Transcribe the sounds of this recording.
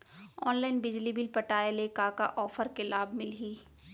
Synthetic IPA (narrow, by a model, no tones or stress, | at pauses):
ɔːnlaːɪnbɪd͡ʒlibɪlpɐʈaːelekaːka̰ʔɔːfəɾkelaːbmɪlɦiː